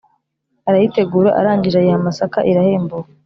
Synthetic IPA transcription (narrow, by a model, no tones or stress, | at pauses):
aɾajite̞ɡuːɾaʔa̰ɾaːɲɟiʒajehamasakaʔiɾahe̞ːmbowa